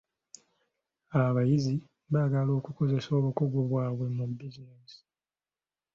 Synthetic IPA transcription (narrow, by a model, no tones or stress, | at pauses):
aβajizi | βaːɡalo̞ːkuko̞ze̞so̞ːβukoɡo̞βwaːβwe̞mubːizinesi̥